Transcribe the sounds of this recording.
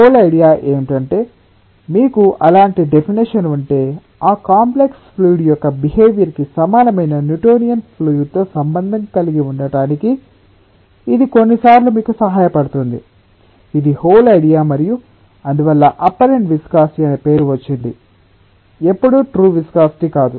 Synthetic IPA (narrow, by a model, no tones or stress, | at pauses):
hoːlɐjɽijaːʔe̞ːmiʈɐɳʈe̞ː | miːkuʔɐlaːɳʈiɖepʰiniʂɐnuɳʈe̞ː | aːkaːmplekspʰluːɽijɔkːɐbiɦe̞ːʋjɐɾkisɐmaːlɐmɐjnɐnjuʈoːnijɐnpʰlujt̪o̞ːsɐmbɐnd̪ʱɐŋkɐliɡiuɳɖɐɽaːniki | d̪iko̞nːisaːɾlumiːkusɐɦaːjɐpɐɽut̪und̪ḭ | id̪ihoːlɐjɽijaːmɐɾiju | ɐnd̪uʋɐlːɐʔɐpːɐɾeɳʈʋiskaːsʈiɐnepe̞ːɾuʋɐt͡ʃːiɳɖḭ | epːuɽuʈɾuːʋiskaːsʈikaːd̪u